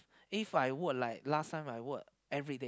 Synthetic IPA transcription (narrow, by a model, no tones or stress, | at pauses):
ifajwɔd̚laɪk̚lastʰãɪ̃maɪwɔd̚ | ɛvɹide